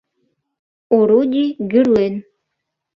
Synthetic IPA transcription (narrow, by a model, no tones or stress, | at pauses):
oɾud̪ʲiɡʲyɾlʲen